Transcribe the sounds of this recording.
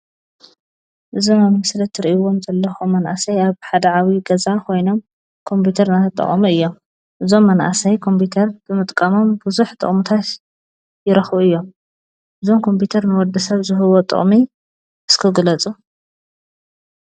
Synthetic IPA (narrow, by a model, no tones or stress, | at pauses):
ʔɨzomamɐslɐt̪ʰːɨɾiʔuwo̞mzɐlːɐxomːɐnʔasɐjaβħad̪ɐʕawiɡɐzakʰo̞jno̞m | kʰo̞mpʰut̪ʰɐɾnat̪ʰɐt̪ʼːɐ̰χʼɐ̰muɨjːo̞m | ʔɨzo̞mːɐnʔa̰sɐjkʰo̞mpʰut̪ʰɐɾb̥ɨmɨt̪ʼkʼɐmo̞mbɨzuħt̪ʼɨ̰χʼmut̪ʰat̪ | jɪɾɐxuɨjːo̞m | ʔɨzo̞mkʰo̞mpʰut̪ʰɐɾnɨwɔd̪ɐsɐβzɨɦɨwo̞t̪ʼɨ̰χʼmi | ʔɨskʰɨɡɨlɐt͡sʼu